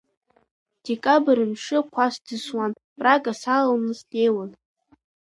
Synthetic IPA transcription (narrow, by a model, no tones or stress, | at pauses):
d̥ekʼabɨɾɨnʂɨkʷʰasd̥ɨswan | pʼraɡʼasallnɨzde̞jwan